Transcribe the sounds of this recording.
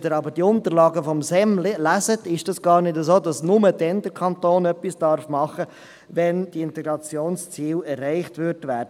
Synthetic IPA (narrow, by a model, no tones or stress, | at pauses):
dəɾɑbəd̥iʊnt̪əɾlɑːɡəfɔmsɛmlɪlæzətɪʃd̥ɑsɡ̥ɑːɾnɪdəzoːdɑsnʊmədɛnd̪əɾkʰɑntoːnœpːisd̥ɑɾfmɑχə | ʋɛnd̥iɪntɛɡɾɑt͡sjoːnst͡siːlɛɾːɛɪχtʋʏɾdʋæːɾdə